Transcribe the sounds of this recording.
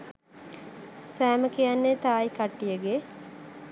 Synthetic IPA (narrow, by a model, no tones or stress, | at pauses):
sæːməkijanːet̪aːjkaʈːijəɡe